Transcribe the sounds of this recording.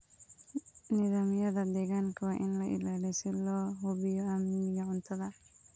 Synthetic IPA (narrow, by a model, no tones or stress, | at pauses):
nɪðaːmjɐðɐd̪ɛɣaŋkʰɐwaʔɪnlɐʔɪ̰laːlɛsɪlɔːɦɔbɪjɔamːɪɪɣɐʕʊnt̪ʰɐðɐ